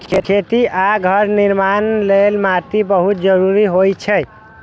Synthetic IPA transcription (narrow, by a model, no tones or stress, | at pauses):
kʰekʰet̪iʔaɡʱəɾniɾmanlelmat̪ibəɦut̪̚d͡ʒəɾuɾiɦojt͡ʃʰɛ